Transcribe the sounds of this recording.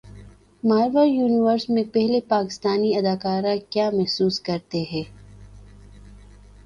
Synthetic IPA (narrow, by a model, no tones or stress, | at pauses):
maːɾʋəɾjuːnɪʋəɾsmẽpɛɦlepaːkɪst̪aːniɐd̪aːkaːɾakjaːmɛɦsuːskɐɾt̪eɦɛ̃ː